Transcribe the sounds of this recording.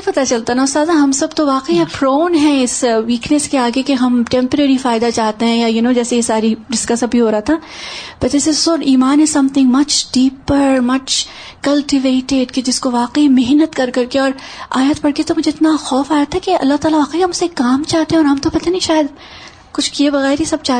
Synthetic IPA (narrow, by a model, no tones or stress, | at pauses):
epɐt̪at͡ʃɐlt̪anaʊst̪aːzãɦɐmsɐbt̪oʋaːqiɦɛpɾoːnɦɛ̃ɪsʋiːknəskeaːɡekeɦɐmʈɛ̃ːmpəɾeːɾifaːɪd̪at͡ʃaːɦt̪eɦɛ̃jajʊnõːd͡ʒɛːsejesaːɾiɖɪskasɐbʱiɦoːɾɐɦat̪ʰa | pɐt͡ʃɛsesɔːɾiːmaːnɪzsɐ̃mt̪ʰɪ̃ŋɡmɐt͡ʃɖiːpəɾmɐt͡ʃ | kɐlʈɪʋeːʈeɖked͡ʒɪskoʋaːqimeɦnət̪kɐɾkɐɾkeɔːɾa̰ːjat̪pɐɽket̪omʊd͡ʒʱeɪt̪naxɔːfaːɾaːt̪ʰaɦɛkeɐ̰lːaɦt̪aːlaʋaːqiɦɐmʊsekaːmt͡ʃaːɦt̪eɦɛ̃ɔːɾɦɐmt̪opɐt̪aniʃaːjəd̪ | kʊt͡ʃʰkiebɐɣɛːɾɦisɐb̚t͡ʃaːɦ